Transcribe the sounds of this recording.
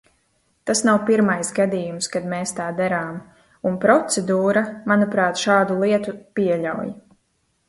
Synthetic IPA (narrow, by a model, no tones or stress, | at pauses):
t̪asnawpiɾmajsɡad̪iːjumskad̪meːst̪aːd̪aɾaːm | unpɾɔt̪sɛd̪uːɾamanupɾaːt̪ʃaːd̪ulˠiɛt̪upiɛʎawj